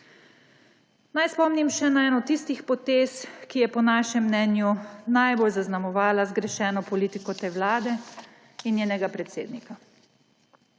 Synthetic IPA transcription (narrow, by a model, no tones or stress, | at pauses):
najspɔmnimʃɛnaɛːnɔt̪ːist̪ixpɔt̪eskijɛpɔnaːʃɛmːnɛːnjunajbolzaznamɔʋaːlazɡɾɛʃɛːnɔpɔliːt̪ikɔt̪ewlaːd̪ɛ | injeːnɛɡapɾɛt̪seːd̪nika